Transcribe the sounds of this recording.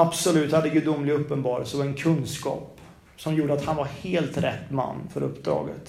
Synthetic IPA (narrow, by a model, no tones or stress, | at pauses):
absɔlʉ̟ːt̪had̪ːəɡɵd̪ʊmːlɪɡɵpːənbɑːɾə̰lsɔvɛnkʰɵnskɑ̰ːp | sɔmjuːɖəat̪hanvaɾheːlt̪ɾɛt̪ːma̰nːfœɾɵpːd̪ɾɑ̰ːɡə̰t̪